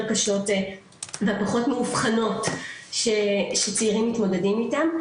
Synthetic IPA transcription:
kaʃo̞t | veapaχo̞tmeufχano̞tʃeʃet͡seiʁimːitmo̞dedimitam

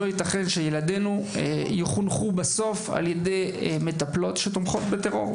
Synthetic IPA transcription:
ojit̪aχe̞nʃejelade̞nuejeχunχubaso̞fa̰ljedejme̞taplo̞tʃetomχo̞t̪bete̞ʁo̞̰ʁ

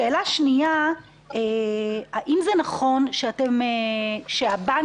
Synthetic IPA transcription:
eːlaʃnija | ehaʔimzenaχo̞nʃeatemeʃeaba

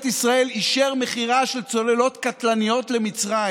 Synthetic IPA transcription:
t̪isʁae̞liʃeʁme̞χiʁaʃelt͡so̞le̞lo̞t̪kat̪lanijo̞t̪le̞mit͡sʁa

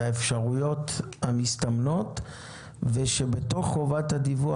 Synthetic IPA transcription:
aefʃaʁujo̞thamistamno̞t | veʃe̞be̞to̞χovathadivu

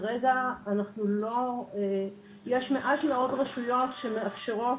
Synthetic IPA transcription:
ʁeɡaːnaχnulo̞e | jeʃme̞ʔatmeo̞dʁaʃujo̞tʃemeafʃe̞ʁo

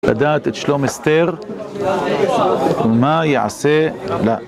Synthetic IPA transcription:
la̰d̪aːt̪et̪ʃlomest̪eɾ | wumajeʕa̰sela

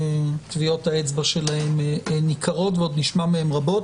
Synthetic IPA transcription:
tvio̞taet͡sbaʃe̞lahe̞mnikʰaʁo̞tveo̞d̪niʃmameemʁabo̞t

